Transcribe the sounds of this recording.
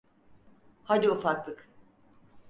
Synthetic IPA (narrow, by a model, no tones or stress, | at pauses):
had̪iufaklˠɯk